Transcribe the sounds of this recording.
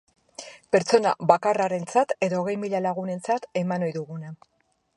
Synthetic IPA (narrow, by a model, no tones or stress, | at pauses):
pe̞ɾt͡so̞na̰βakaraɾe̞nt͡sat̪e̞ðoɣe̞jmiʎalaɣ̞une̞nt͡sat̪e̞mano̞jðuɣuna